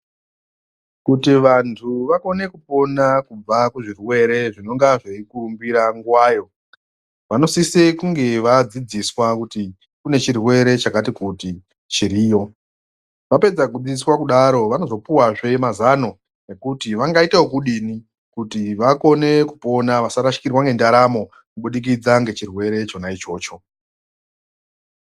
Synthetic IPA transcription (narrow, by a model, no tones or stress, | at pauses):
kutiʋantʰuʋako̞ne̞kupo̞nakub͡vakuʐirwe̞ɾe̞ʐino̞ŋɡaʐeikurumbiɾaŋɡwaːjo̞ | ʋano̞sisekuŋɡe̞ʋad͡zid͡ziswakuti | kune̞t͡ʃirwe̞ɾe̞t͡ʃakatikuti | t͡ʃiɾiːjo̞ | ʋape̞d͡zakud͡zid͡ziswakuɗaɾo̞ʋano̞zo̞puwaʐe̞mazano̞ | ne̞kutiʋaŋɡaitawokuɗini | kutiʋako̞ne̞kupo̞naʋasaɾaʃi̥kirwaŋɡe̞ndaɾamo̞ | kuɓuɗik̬id͡zaŋɡe̞t͡ʃirwe̞ɾe̞t͡ʃo̞nait͡ʃo̞ːt͡ʃo̞